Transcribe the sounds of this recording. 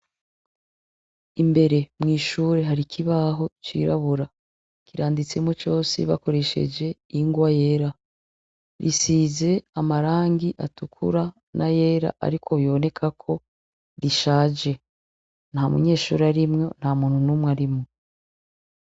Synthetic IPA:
imbe̞ɾe̞mŋiːʃuːɾeɦaɾikʰiβaɦo̞t͡ʃḭːɾa̰βuɾa | kiɾaːndit͡semot͡ʃo̞ːsḭβa̰ko̞ɾe̞ʃe̞̰d͡ʒe̞iŋɡwaje̞ːɾa | ɾisiːze̞amaɾaːŋɡiʔa̰tukʰṵɾa | nʔaje̞ːɾa̰ʔa̰ɾikʰo̞βjo̞ne̞kʰakʰo̞ | ɾiʃaːd͡ʒe̞ | n̥hamṵɲe̞ːʃṵːɾaɾimŋo̞n̥hamuːn̥hunumŋaɾimŋo

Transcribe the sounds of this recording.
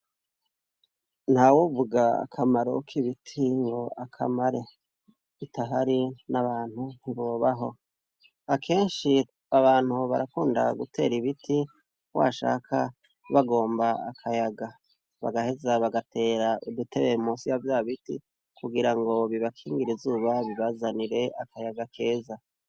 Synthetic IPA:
n̥hawovuɡaa̰kʰamaɾo̞̰kʰiβitʰiŋɡo̞akʰa̰maɾe̞ | itaɦaɾinaβaːn̥hun̥iβo̞ːβaɦo̞̰ | akʰe̞ːnʃi | aβaːn̥huβa̰ɾakuːnda̰ɡutʰe̞ːɾiβiti | wa̰ʃa̰ːkʰa | βaɡo̞ːmbaa̰kʰajaɡa | βa̰ɡahe̞zaβaɡatʰe̞ːɾaʔidutʰe̞βemosijavjaːβitḭ | kuɡiɾaŋɡo̞βiβakʰiːŋɡiɾizuːβaβiβazaniɾe̞ʔakajaɡakʰe̞ːza

